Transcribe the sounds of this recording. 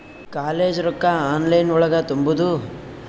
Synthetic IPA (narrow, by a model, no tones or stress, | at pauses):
kaːleːd͡ʒɾɔkːɐaːnlɐjnuɭɐɡɐt̪umbud̪u